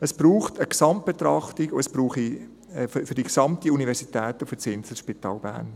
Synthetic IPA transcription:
əsb̥ɾuːχtəksɑmt̚b̥et̪rɑχtiɡoɛsb̥ɾuːχi | ɛffʏdiksɑmtiunivɛɾsitɛːtufət͡sɪnsəʃpitɑ̰ːlbæ̰ːɾn

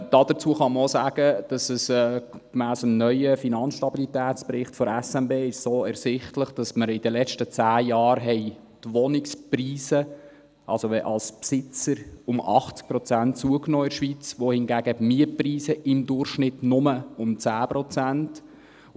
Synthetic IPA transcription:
d̥ɑd̥̪əɾt͡suəχɑməɾosæːɡ̥əd̥ɑsəsɛkmæːsəmnœʏəfinɑnsʃtɑbilit̪æːt͡spɾɪχtfɔɾɛsɛmbeːɪʃsoːɛɾsɪχtləχd̥ɑsməɾɪd̥əlɛt͡ʃtət͡sæːjɑːɾɦɛɪ | tʋɔnɪkspriːsə | ʔɑlsoʋɛʔɑ̰lspsɪt͡səɾʊmɑ̰χt͡sk̚pɾɔt͡sæntt͡suəknɔːɪɾʃʋit͡sʋohɪnɡæːɡ̥əmiəpriːsəʔɪmd̪ʊrχʃnɪtnʊməʊmt͡sæːpɾɔt͡sænt

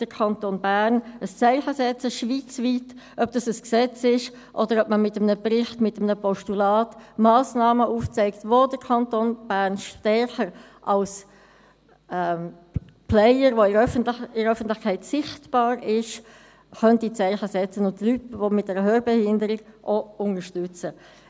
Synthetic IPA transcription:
d̥əɾkʰɑntonbæɾnəst͡sɛɪχəsɛt͡səʃʋiːt͡sviːtʔœb̚d̥ɑsəsksɛt͡sɪʃ | ʔɔdəɾœp̚məmɪtəmnəbɾɪχtmɪtəmnəpɔʃtulɑːtmaːsnɑːməʔuːft͡sɛɪkt̪vodəɾkʰɑntonb̥æɾnʃtɛɹχəɾ | ʔɑls | ɛm | pʰlɛɪəɾʋoɪœfəntlɪəœfən̩tlɪχkʰɛɪtsɪχtb̥ɑːɾɪʃ | χœntit͡sɛɪχəsɛt͡sənʊntlytvomɪtdɛɾəɦøːɾbɛhɪndəɾɪɡʔoʊŋəʃtʏt͡sə

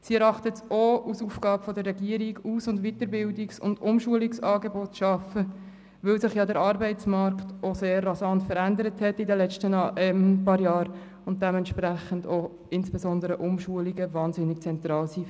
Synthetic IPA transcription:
siɛɾɑχtətousufɡ̥ɑːbfɔdəɾːɛɡiəɾiɡuːsʊndʋitəɾbɪldɪksʊ̰ndʊmʃuəliksɑːɡebɔtʃɑfə | ʋɵlsɪχjɑdəɾɑɾbɛɪtt͡smɑɾktoseːɾːɑsɑntfəɾændəɾəthɛtːidəlɛt͡ʃtənɛmpɑːɾjɑːɾ | ʊnt̚d̥ɛmɛntʃpɾæχəndo | ɪnsb̥ɛsɔndəɾəʔʊmʃuəliɡəvɑːnzɪnɪk̚t͡sɛnt̪ɾɑːlsi

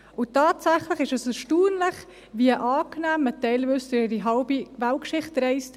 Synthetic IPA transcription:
ʊtɑːtsæχləχɪʃɛsɛʃtuːnləχ | viəʔɑːknæːmətɛɪlvʏstyɪɾiɦɑʊbivælkʃɪχtɾɛɪst

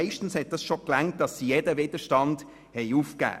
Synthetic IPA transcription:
ɪʃtn̩shɛt̚d̥ɑsʃoklæŋt̚d̥ɑsːijedəvɪdəʃtɑnd | hɛɪufkæ̰ː

